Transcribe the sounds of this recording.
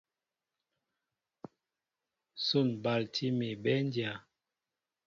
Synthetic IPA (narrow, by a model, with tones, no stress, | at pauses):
so˦˨nba˨ltʰi˦mi˨bɛ˦n˦dja˨